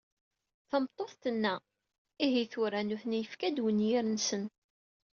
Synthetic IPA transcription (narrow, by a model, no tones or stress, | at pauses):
θəmt̪ˤːoθt̪ənːæ | iɦiθʊɾanʊθnijəfkæd̪wənjɪɾənsən